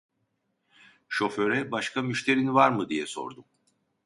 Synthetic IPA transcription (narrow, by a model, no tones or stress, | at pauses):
ʃo̞fø̞ɾɛbaʃkʰamyʃt̪ʰe̞ɾinvaɾmɯd̪ijɛso̞̰ɾd̪um